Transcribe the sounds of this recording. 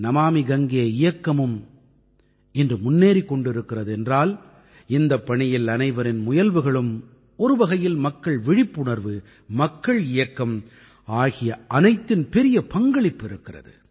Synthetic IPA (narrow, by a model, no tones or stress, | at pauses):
nɐmaːmɪɡɐŋɡɪjɐɪjɐkːɐmɯm | ɛndrɯmʊnːeːɾikːɔɳɖɪɾɯkːɪrɐðɯɛndraːl | ɪnd̪ɐpːɐɳɪjɪlɐnɐɪʋɐɾɪnmʊjɐlʋɯɣɐɭɯm | ɔɾɯʋɐɣɐjɪlmɐkːɐɭʋɪɽɪpːʊɳɐɾʋɯ | mɐkːɐɭɪjɐkːɐm | aːɣɪjɐʔɐnɐɪt̪ːɪnpɛɾɪjɐpɐŋɡɐɭɪpːɪɾɯkːɪrɐ̰ðɯ̰